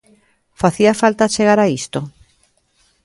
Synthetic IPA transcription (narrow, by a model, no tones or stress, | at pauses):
faθiafalt̪at͡ʃeɣaɾaist̪o